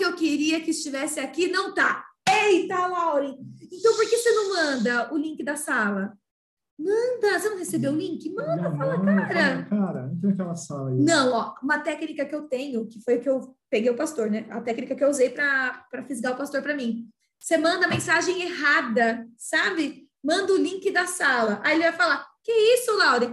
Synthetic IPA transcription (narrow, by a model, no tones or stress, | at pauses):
ɪewkeɾiɐkɪɪst͡ʃivɛsɪakinɐ̃w̃t̪aejt̪alawɾĩẽt̪ɐ̃w̃poɾkesenɐ̃w̃mɐ̃nd̪ɐʊlĩŋkɪd̪ɐsalɐ | mɐ̃d̪ɐsenɐ̃w̃hesebeʊ̃lĩŋkɪmɐ̃nd̪d̪ɐfalɐkaɾɐkaɾɐ̰nũt̪ẽj̃ɐkɛlɐsalɐinɐ̃w̃ɔũmɐt̪ɛknikɐkɪewt̪ẽɲʊkɪfojʊkɪewpeɡejʊpast̪oɾnɛɐ̰t̪ɛknikɐkɪewuzejpɾɐpɾɐfizɡaʊpast̪oɾpɾɐmĩ | semɐ̃nd̪ɐmẽsaʒẽj̃eɦad̪ɐsabɪ | mɐ̃nd̪ʊlĩkɪd̪ɐsalɐʔaelɪvajfalakɪɛisʊlawɾɪ